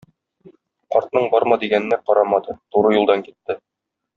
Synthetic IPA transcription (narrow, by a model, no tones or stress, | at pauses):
qɒɾt̪nɤɴbɒɾmɑd̪iɡænɘ̆næqɒɾɑmɑd̪ɤt̪uɾɤjulˠd̪ɑŋkit̪ːɘ